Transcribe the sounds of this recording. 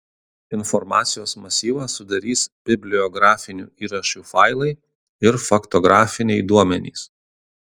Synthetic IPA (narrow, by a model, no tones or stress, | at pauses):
ɪnfɔɾmɑ̰ːt̪sʲɪjoːsmɐsʲiːʋɐsʊd̪ɐɾʲiːsb̥ʲɪbʲlʲɪɔɡɾɑːfʲɪnʲṵːiːɾɐʃʲuːfɑɪlˠɐɪ | ɪɾfɐkt̪ɔɡɾɑːfʲɪnʲɛɪd̪uɔmʲɛnʲḭːs